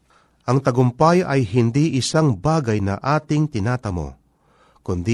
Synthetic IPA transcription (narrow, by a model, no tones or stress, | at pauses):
ʔɐŋt̪ɐɡʊmpajɐjɦɪnd̪iʔɪsaŋbaːɡɐjnɐ̰ʔaːt̪ɪŋt̪ɪnaːt̪ɐmo̰ | kʊnd̪i